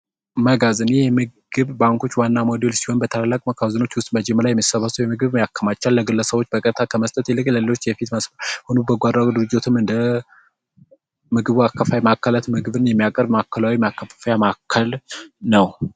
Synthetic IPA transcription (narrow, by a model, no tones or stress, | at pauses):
məɡazɨnjɛhemɨɡ̥ɨβbaŋkʰo̞t͡ʃːwanːamod̪elsi̥ho̞nbət̪ʰallːakʼməkʰawzɨnot͡ʃːwʊst̪ʼməd͡ʒɛməlajɛmːisəβasəwjɛmɨɡɨβmjakʰːəmat͡ʃːalːəɡɨlːəsəβwo̞t͡ʃːbəkʼət̪ʰakʰəməst̪ʼət̪jɛlɨkʼləlelo̞t͡ʃːjɛfit̪məsməhonubəɡʷad̪ɾad̪ɨɾɨd͡ʒot̪ʰɨmɨnd̪ə | mɨɡɨβuakːəfajmakʰːəlat̪mɨɡɨβɨnjɛmːijakʼəɾbmakʰːəlawimakːəfəfjamakʰːəlnəw